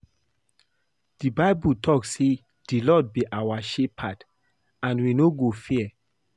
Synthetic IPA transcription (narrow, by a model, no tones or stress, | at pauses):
d̥ibaɪbutʰɔkse | d̥ilɔd̚biʔawaʃepʰat | ãnwinoɡofiɛ